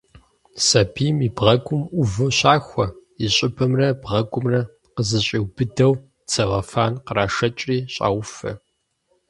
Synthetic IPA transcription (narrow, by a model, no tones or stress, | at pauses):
sɐbʰiːmibʁɐɡʷʊmʔʊvɨɕaːxʷɔiɕʼɪbʰɐmrɐbʁɐɡʷʊmrɐ | qəzɨɕʼiwbɨdɐw | t͡sʰɐʁɐfaːnqəraːʂɐt͡ʃʼriːɕʼa̰ːwʊfɐ̰